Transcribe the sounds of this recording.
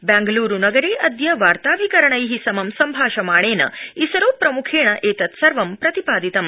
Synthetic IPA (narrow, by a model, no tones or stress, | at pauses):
bæ̃ːŋɡluːɾunɐɡɐɾeːʔɐd̪jɐʋaːɾt̪aːʋikɐɾɐɳɐjɦisɐmɐmsɐmbʱaːʃɐmaːɳ̃eːnɐ̰isɐɾoːpːɾɐmukʰeːɳ̃ɐʔeːt̪ɐt̪sɐɾʋɐmpɾɐt̪ipaːd̪it̪ɐm